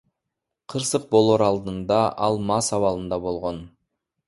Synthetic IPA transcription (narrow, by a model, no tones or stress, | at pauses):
qʰɯɾsɯq̚bo̞lˠoɾɑlˠd̪ɯnd̪ɑʔɑlˠmɑsɑβɑlˠɯnd̪ɑbo̞lˠʁo̞n